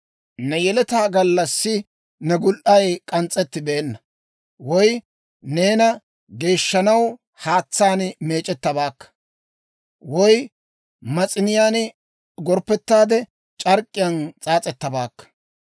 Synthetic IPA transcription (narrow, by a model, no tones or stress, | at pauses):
nɛjɛlɛt̪aːɡɐlːɐsːɪ | nɛɡʊlʔɐjkʼɐnt͡sʼːɛt̪ːɪbeːnːɐ | wɔj | ne̞ːnɐ | ɡe̞ːʃːɐnɐw | haːt͡sːaːnme̞ːt͡ʃʼɛt̪ːɐbaːkːɐ̥ | wɔj | mɐt͡sʼɪnɪjaːn | ɡɔɾpːɛt̪ːaːd̪ɛ | t͡ʃʼɐɾkʼːɪjɐnt͡sʼaːt͡sʼɛt̪ːɐbaːkːɐ̥